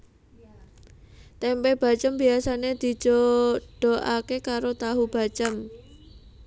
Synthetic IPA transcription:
t̪ɛmpɛb̥a̤t͡ʃəmb̥iasaned̪̥i̤̥d͡ʒ̥oɖ̥oʔakekaɾot̪aɦub̥a̤t͡ʃəm

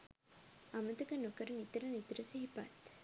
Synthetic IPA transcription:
ɐmɐt̪ɐkɐnɐkɐɾɐnit̪ɾɐnit̪ɾɐsɐɦipa̰t̪

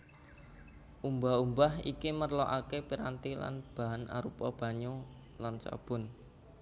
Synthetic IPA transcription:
ʔumbaɦumbahḭkimərlɔʔakepiɾant̪ila̰nb̥aɦana̰ɾupɔb̥a̤ɲo | lansa̰b̥ʊ̤n

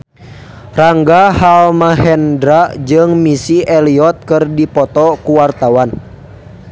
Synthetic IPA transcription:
raŋɡahalmaɦɛndɾad͡ʒɨŋmisiɛliɔt̪̚kɨrdipɔt̪ɔkuwart̪awan

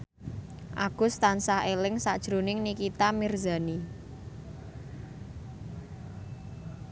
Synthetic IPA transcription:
ʔaɡ̥ʊ̤st̪ansahelɪŋsad̥ʒ̥ɾunɪŋnikit̪amirza̤ni

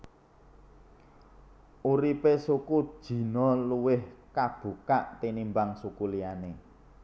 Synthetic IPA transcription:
ʔuɾipesukud̥ʒ̥i̤nɔluwɪhkab̥ṳkaʔt̪inimbaŋsukuliane

